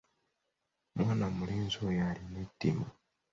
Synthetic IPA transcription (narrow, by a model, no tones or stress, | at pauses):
mwaːnamuliːnzojalinetːima